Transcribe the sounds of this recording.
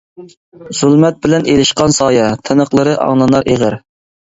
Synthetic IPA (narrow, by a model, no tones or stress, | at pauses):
z̥ulmɛt̪̚bɪlɛnelɪʃqɑnsɑːjɛt̪ʰɨnəqlˠəɾɨʔɑ̰ŋlˠɑnɑɾʔeʁəɾ